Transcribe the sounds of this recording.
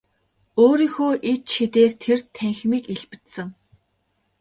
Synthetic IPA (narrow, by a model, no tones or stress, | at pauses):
oːɾiːxoːʔet͡ɕxet̪eːrt̪ʰert̪ʰæŋxmiːkeɮpɘ̥̆t̪sɘ̆ŋ